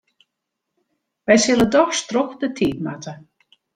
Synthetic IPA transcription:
ʋɛjsɪlˠədɔxstrɔxdətʰiːt̚matə

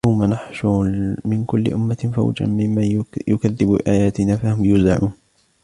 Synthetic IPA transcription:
jawmanaħʃʊmɪnkʊlːɪ̰ʔʊmːafa̰wd͡ʒa̰nmɪmːajʊkaðːɪbṵːʔaːjaːt̪ɪnaːfahʊmjʊzaʕuːn

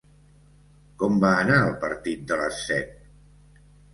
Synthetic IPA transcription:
kɔmbaənaəlˠpəɾt̪it̪̚d̪ələsːɛt̪̚

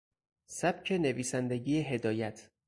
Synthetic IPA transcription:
sæb̥̚cʰe̞neviːsænd̪e̞ɡiːeɦe̞d̪ɒːjæt̪ʰ

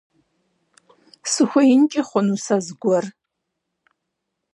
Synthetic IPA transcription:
sɨxʷɐjɪnt͡ʃʼɪχʷʊnusazɡʷɔr

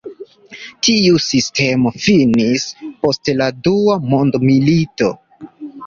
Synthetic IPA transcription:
tiusistʰe̞mo̞finispo̞stladuamo̞ndmilito̞̰

